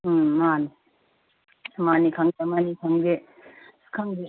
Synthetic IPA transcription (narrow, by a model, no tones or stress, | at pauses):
mani | manikʰaŋdemanikʰaŋde | skʰaŋde